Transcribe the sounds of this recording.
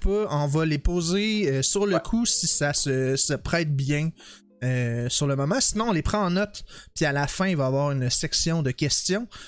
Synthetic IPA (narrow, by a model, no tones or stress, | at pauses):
pøɔ̃vʌlepoːzeøsyʁləkʰusisasəsəpχɛːt̪̚bjɛ̃ | øsyʁləmɔmɑ̃sinɔ̃ɔ̃lepχɑ̃ɑ̃nɔt̪pialafɛ̃ivaːvwaːʁynsɛksjɔ̃d̪əkʲɛst̪jɔ̃